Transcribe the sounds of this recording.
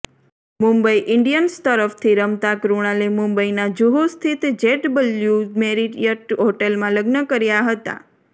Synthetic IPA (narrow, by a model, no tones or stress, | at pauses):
mũmbəiʔɪɳɖijənst̪əɾəft̪ʰiɾəmt̪akɾuɽ̃alemumbəinad͡ʒuɦost̪ʰit̪d͡ʒeʈbəljumeɾiʈjəʈɦoʈelmãləɡnəkəɾjaɦət̪a̰